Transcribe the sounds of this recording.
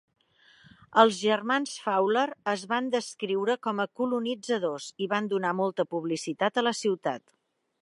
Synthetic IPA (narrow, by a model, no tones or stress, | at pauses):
əlˠzʒərmansfawləɾəzβand̪əskɾiwɾəkɔməkulunid͡zəðoziβand̪unamɔlˠt̪əpuβlisit̪at̪ələsiwt̪at̪